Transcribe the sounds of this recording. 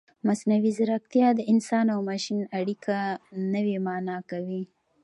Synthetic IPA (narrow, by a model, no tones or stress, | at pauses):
masnawizaɾak̚t̪jɑd̪əɪnsɑnawmɑʃinaɽikʰanəwemɑnɑkawi